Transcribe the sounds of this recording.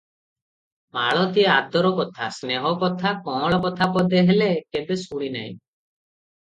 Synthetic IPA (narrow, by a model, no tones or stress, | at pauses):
maɭɔt̪iead̪ɔɾɔkɔt̪ʰa̰sneɦɔkɔt̪ʰakɔ̃ɭɔbɔt̪ʰapɔd̪eɦelekebesuɽ̃ina̰ɦḭ̃